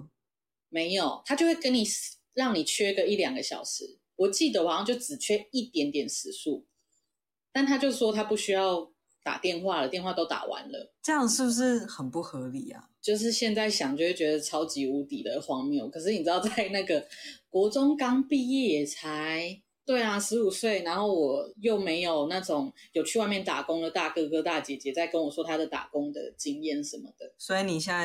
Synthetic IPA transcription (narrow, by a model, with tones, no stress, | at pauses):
me˧˥ɪjo˨˩ʊt̪ʰa˥t͡ɕjo˥ʊxwe˥˩kə˦ni˨˩s | ɻɑ˥˩ŋni˨˩t͡ɕʰɥɛ˥ɡə˨i˥˩ljɑ˨˩ŋɡə˦ɕjɑ̰˨˩ʊʂɻ̩˧˦ | wɔ˨˩t͡ɕi˥˩d̪ə˨˩wɔ˨˩˦sɑ˥˧t͡ɕjo˥˩ʊʈ͡ʂɻ̩˨˩t͡ɕʰɥɛ˥i˥˩t̪jɛ˧˥nt̪jɛ˨˩nsɹ̩˨˩su˥˩ | t̪a˥˩nt̪ʰa˦˥t͡ɕjo˥˧ʂʂwɔ˥t̪ʰa˥pu˥˩ɕy˥jɑ˥˩ʊ | t̪a̰˨˩t̪jɛ˥˧nxwa˥˨lə˨˩t̪jnxwa˥˩t̪o˥ʊt̪a̰˨˩wa̰˧˦nlə̰˨ʈ͡ʂɤ˥˧jɑ˥ŋʂɻ̩˥˩bu˨˩ʂɻ̩˥˩xə˨˩npu˥˩xɤ˧˦li˨˩a̰˨˩t͡ɕjo˥˧ʊʂ̬ɻ̩˥˧ɕjɛ˥˧nt͡sa˥˩ɪɕjɑ˨˩ŋt͡ɕo˥˧we˥˩t͡ɕɥɛ˧˥d̪ə˧t͡sʰɑ˧˥ʊt͡ɕi˧˥u˧˥t̪i˨˩d̪ə˩xwɑ˥ŋmjo˥˩ʊkʰɤ˨˩ʂ̬ɻ̩˥˩ni˨˩ʈ͡ʂ̪ɑ˥˧t͡sa˥˧ɪna˥˩ɡə˩kwɔ˧˥ʈ͡ʂʊ˥ŋkɑ˥ŋpi˥˧jɛ˥˩jɛ˨˩t͡sʰa˧˦ɪ | t̪we˥˩ɪa˩ʂɻ̩˧˥u˨˩swe˥˩ɪna˧˥nxo˥˩ʊwɔ˨˩jo˥˩ʊme˧˥ɪjo˨˩ʊna˥˩ʈ͡ʂʊ˨˩ŋjo˨˩ʊt͡ɕʰy˥˧wa˥˧mjɛ˥˩nt̪a̰˨˩kʊ˦ŋlə˨t̪a˥˩kɤ˥˧kɤ˥t̪a˥˩t͡ɕjɛ˨˩t͡ɕjɛ˨˦˥t͡sa˥˩ɪkə˦˥nwɔ˨˩swɔ˥t̪ʰa˥d̪ə˨˩t̪a̰˨˩kʊ˥ŋd̪ə̰˨˩t͡ɕi˥ŋjɛ˥˩nʂə˧˦nmə˨d̪̥ə˩swɔ˧˥i˧ni˨˩ɕja˥˩